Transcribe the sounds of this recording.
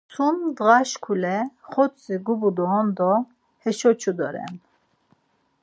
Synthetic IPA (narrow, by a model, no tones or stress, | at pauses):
t͡sʰund̪ʁaʃkʰulɛχɔt͡sʼiɡubud̪ɔɔnd̪ɔ | hɛʃɔt͡ʃʰud̪ɔɾɛ̰n